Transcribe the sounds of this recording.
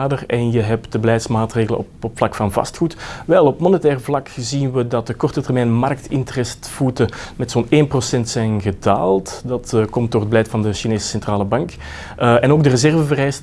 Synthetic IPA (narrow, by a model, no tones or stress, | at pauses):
aːdərɛnjəɦɛptdəbəlɛjtsmaːtreːɣələ̰ɔ̰pɔpflɑkfɑnvɑ̰stxutʋɛlˠɔpmɔnətɛːrvlɑkzinʋədɑt̚dəkɔrtətɛrmɛːjnmɑrk̚tɪntərɛstfutəmɛtsoːneːnprosɛntsɛjnɣəda̰ːlˠtdɑtkɔmt̚doːrɦəd̚bəlɛjtfɑndəʃineːsə̥sɛntraːləbɑŋk | ɛnoːɡ̚dərəzɛrvəvərɛjs